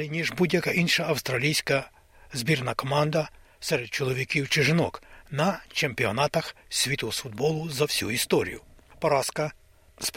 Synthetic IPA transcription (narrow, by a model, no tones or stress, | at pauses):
inʲiʒbudʲjɐkɐʔinʃɐɐwst̪ɾɐlʲijsʲkɐ | zbʲirnɐkɔmɑnd̪ɐ | sɛɾɛd̪̚t͡ʃɔlˠɔʋʲikʲiwt͡ʃɪʒɪnɔknɐt͡ʃempʲiɔnat̪ɐxsʲʋʲit̪ɔɦɔsfud̪̚bɔlˠʊzɐwsʲṵist̪ɔɾʲḭjʊpɔɾɑskɐ | sp